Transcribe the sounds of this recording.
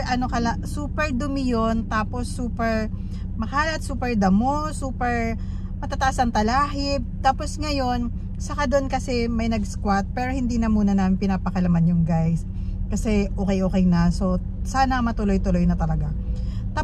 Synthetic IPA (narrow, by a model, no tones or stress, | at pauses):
ʔɐnokɐlɐsuːpɛɹd̪ʊmɪjont̪aːpo̞sːuːpɛɹ | mɐhaːlɐɐt̪suːpɛɹd̪ɐmosuːpɛɹ | mɐt̪aːt̪ɐʔasɐŋt̪ɐlaːɦɪb̚t̪aːpo̞sŋɐjo̞n | sɐkad̪onkɐsɛmɐjnɐɡ̚skwat̪̚pɛːɾo̞hɪnd̪iːnɐmuːnɐnamɪnpɪnaːpɐkɐlɐmanjʊŋɡajs | kɐsɛʔoːkɛjʔoːkɛjnɐso̞ | saːnɐmɐt̪ʊlojt̪ʊlo̞jnɐt̪ɐlɐɡa | t̪a